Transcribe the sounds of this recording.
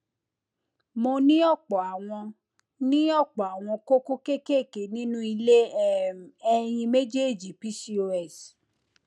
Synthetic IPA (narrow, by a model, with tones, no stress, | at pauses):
mo˧nĩ˦ɔ˦˨k͡pɔ˨a˨w̃ɔ̃˧ | nĩ˦ɔ˦˨k͡pɔ˨a˨w̃ɔ̃˧ko˦ko˦ke˦ke˦˨ke˨nĩ˦nũ˦i˧le˦ | ɛ˧j̃ĩ˧me˦d͡ʒe˦˨d͡ʒi˨pi˦si˦o˧ɛ˦˨s